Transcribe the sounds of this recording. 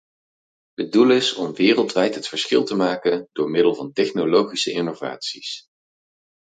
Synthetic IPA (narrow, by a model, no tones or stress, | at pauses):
ɦədulɪsɔmʋɪːrəlˠtʋɛjtɦətfəɹsχɪ̰lˠtəmaːkəndʊːɹmɪdəlˠvɑntɛχnolowχisəʔɪnova̰ːtsis